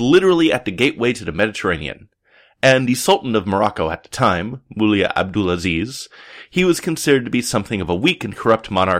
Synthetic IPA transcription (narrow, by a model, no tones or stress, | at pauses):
lɪɾə˞l̩ˠiɨt̪̚ðɨɡeɪʔweɪɾɨðɨmɛɾɨtʰə˞ẽɪ̃nḭɨ̰̃n | ɨ̃nðɨsʌlˠʔn̩tʌvmə˞ɑkoʊɨt̪̚ðə̥tʰãɪ̃mːulˠiɨ̰ʔæ̰b̚dɨlˠəziz̥hiwʌz̥kʰɨ̃nsɪɾə˞d̚tɨbisʌ̃mθɪ̃ŋʌvəwikɨ̃n̩kʰə˞ʌp̚t̚mɑñɑ